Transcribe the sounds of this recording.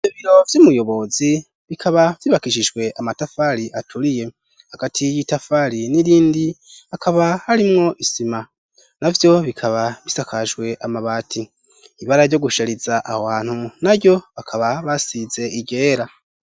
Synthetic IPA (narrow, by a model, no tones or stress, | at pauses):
iβiɾo̞vjumujo̞βo̞zi | βikʰaβav̥jiβakiʃiʒɡwe̞ʔamatafaɾiʔatʰuɾije̞ | haɡ̥atʰijitafaɾiniɾiːndiakʰaβahaɾimŋo̞ʔisima | navjo̞βikʰaβaβisakʰaʒɡwe̞ʔamaβaːtʰi | iβaɾaɾjo̞ɡuʃaɾizaʔawaːn̥hunaɾɟjo̞βakʰaβaβasize̞iɟe̞ːɾa